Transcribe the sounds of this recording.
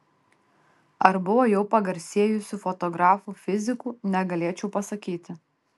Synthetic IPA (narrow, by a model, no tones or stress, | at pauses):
ɐɾbʊʋoːjɛʊpɐɡɐɾʲsʲiɛjʊsʲʊfɔt̪ɔɡɾɑːfufʲɪzʲɪkuːnʲɛɡɐlʲeːt͡ʃʲɛʊpɐsɐkʲiːt̪ʲɪ